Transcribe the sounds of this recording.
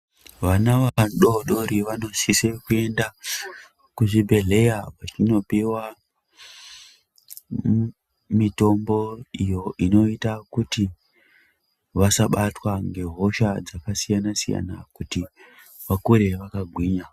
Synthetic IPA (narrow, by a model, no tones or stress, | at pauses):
ʋanaʋaɗo̞ɗo̞ɾiʋano̞sisekue̞nda | kuʐibʱe̞ɮe̞japat͡ʃino̞piwa | mito̞mbo̞ijo̞ʔino̞itakuti | ʋasaɓatwaŋɡe̞ɦo̞ʃad͡zakasijanasija̰nakuti | ʋakuɾe̞ʋakaɡʱwiːɲa